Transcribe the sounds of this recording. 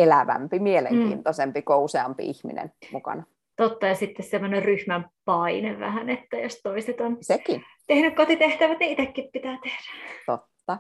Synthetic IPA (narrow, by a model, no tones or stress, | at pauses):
elæʋæ̰mpimielḛŋkḭːnt̪osempikouseɑmpḭihmḭnḛnmukɑ̰nɑ | t̪ot̪ːɑjɑsit̪ːessemːonerryhmæmpɑineʋʋæ̰hænet̪ːæjo̰st̪oiset̪onsekin | t̪ehnykkot̪it̪eht̪æʋæt̪niit̪ekːippit̪æːt̪ehd̥æt̪ot̪ːɑ